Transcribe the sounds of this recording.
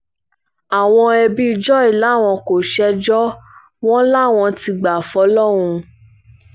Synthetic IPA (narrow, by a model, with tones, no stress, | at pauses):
a˨w̃ɔ̃˧ɛ˧bi˦˧d͡ʒɔ˦i˦˨la˨˦˨w̃ɔ̃˧ko˨ʃɛ˧d͡ʒɔ˦ | w̃ɔ̃˦la˦˨w̃ɔ̃˧ti˧ɡ͡ba˨fɔ˨˦lɔ˦˨ɾ̃ũ˧